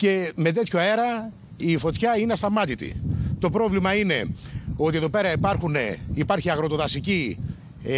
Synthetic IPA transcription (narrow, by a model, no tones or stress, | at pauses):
ce̞me̞t̪̬e̞t̪ço̞e̞ɾɐ | ifo̞t̪çɐineɐst̪ɐmɐt̪it̪ḭt̪o̞pɾo̞vlimɐine̞o̞t̪ie̞ðo̞pe̞ɾɐipɐɾxune̞ipɐɾçiɐɣɾo̞t̪o̞ðɐsici